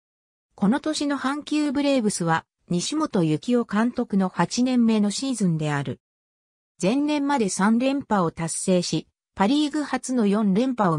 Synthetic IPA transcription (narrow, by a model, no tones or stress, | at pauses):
ko̞no̞t̪o̞ɕino̞hãŋkʲɨːbɯ̟ɾe̞ːbɯ̟sɨβa | ɲ̟iɕimo̞t̪o̞jɯ̟kʲio̞kãnt̪o̞kɯno̞hat͡ɕinẽ̞mːe̞no̞ɕiːzɨ̃nd̪e̞aɾɯ̟ | zẽ̞nːẽ̞mːad̪e̞sãnɾẽ̞mpao̞t̪asːe̞ːɕi | paɾʲiːɡɯ̟hat͡sɨno̞jõ̞nɾẽ̞mpao